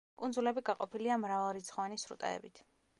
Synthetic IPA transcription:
kʼund̪zulɛbiɡaqʼɔpʰiliamɾavalˠɾit̪sʰχɔvanisɾṵt̪ʼa̰ɛ̰bit̪ʰ

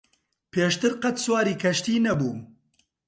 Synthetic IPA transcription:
pʰeːʃt̪ɨɾqɐt̪swaːɾiːkʰɐʃt̪iːnɐbuː

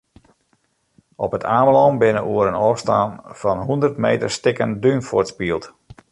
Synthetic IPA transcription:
ɔpətʰaːməlɔmbɪnəʔuəɾənɔːfstaːnfɑnɦundərtmḛjtərstɪkəndynfʊtspiəlˠt

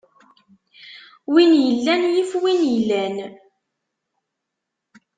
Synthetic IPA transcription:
winjəlːænjifwinjəlːæn

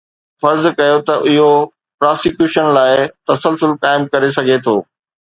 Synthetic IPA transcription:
fɐɾzkɐjot̪ɐʔɪɦo | pɾaːsɪkjuːʃənlaːɪɪt̪ɐsəlsʊlkaːɪmkɐɾes̬ɐɡʱet̪ʰoː

